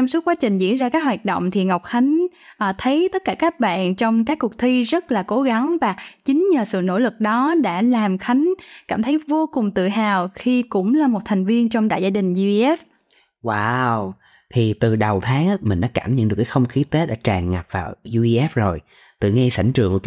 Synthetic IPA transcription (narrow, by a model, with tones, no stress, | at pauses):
t͡ɕɔ˧msu˦˥t̚kwaː˨˦t͡ɕï˨˩ŋ̟zḭ˧˥ənzaː˧kaː˦˥k̚ɦwaː˨˩t̚ɗo̰˧˨wŋ͡mt̪ʰi˨˩ŋa˨˩wk͡p̚xa˨˦jŋ̟ʔːt̪ʰə˨˦jt̪ə˦˥t̚kaː˧˩kaː˦˥k̚ɓa̰ː˧˨nt͡ɕɔ˧wŋ͡mkaː˦˥kːu˨˩ək̚t̪ʰi˧zə˦˥t̚laː˨˩ko˨˦ɣa˨˦ŋvaː˨˩t͡ɕï˨˦ŋ̟ɲəː˨˩sɨ̰˧˨no̰˧˥lɨ˨˩k̚ɗɔ˨˦ɗa̰ː˧˥laː˨˩mxa˨˦jŋ̟kaː˧˩mt̪ʰə˨˦jvo˧kʊ˨˩ŋ͡mt̪ɨ̰˧˨ɦaː˨˩wxi˧kʊ̰˧˥ŋ͡mlaː˨˩mo˨˩t̚t̪ʰa˨˩jŋ̟vi˧ənt͡ɕɔ˧wŋ͡mɗa̰ː˧˨jzaː˧ɗï˨˩ŋ̟zu˧ʔɛ˦˥p̚ | waː˧w | t̪ʰi˨˩t̪ɨ˨˩ɗə˨˩wt̪ʰaː˨˦ŋaː˨˦mï˨˩ŋ̟ɗa̰ː˧˦kaː˧˩mɲə̰˧˨nɗɨ˨˩ə˩kːaː˨˦xə˧wŋ͡mxi˨˦t̪e˨˦ɗa̰ː˧˥t͡ɕaː˨˩ŋːa˨˩p̚vaː˨˩wzu˧i˧ʔɛ˦˥p̚zo˨˩j | t̪ɨ˨˩ŋa˧sa̰˧˩jŋt͡ɕɨ̰˨˩əŋk